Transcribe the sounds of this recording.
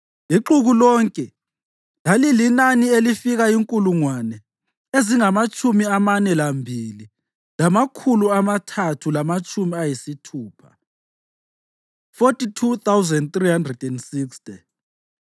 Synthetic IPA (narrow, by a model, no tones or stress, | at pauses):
iǃuɣulɔːŋkʼɛ | lalilinanielifiɣaiŋkʼuluŋwanɛ | eziŋamat͡ʃʼumiamanɛlambʱili | lamakʰuluamatʰatʰulamat͡ʃʼumiajisitʰuːpʰa | fotʼitʰut̪awzɛndt̪rihandrɛdɛnsikstʼɛ